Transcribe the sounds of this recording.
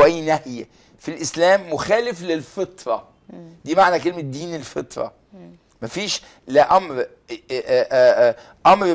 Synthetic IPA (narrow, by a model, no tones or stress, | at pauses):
ʔæjːnæhj | filʔɪslæːmːoxæːlɪflelfet̪ˤɾˤɑ | d̪iːmaʕnækelmed̪ːiːnelfḛt̪ˤɾˤɑ̰ | mæfiːʃ | leʔɑmɾ | ʔɑmɾ